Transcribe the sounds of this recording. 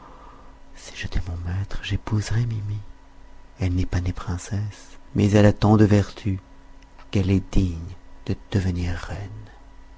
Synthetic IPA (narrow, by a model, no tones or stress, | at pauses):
si̥ʒet̪ʰɛmɔ̃mɛt̪χʒepuzʁɛmimi | ɛlnɛpanepχɛ̃sɛsmɛzɛlat̪ɑ̃d̪əvɛʁt̪ʰy | kɛlɛd̪iɲd̪̥əd̪̥əvəniʁːɛn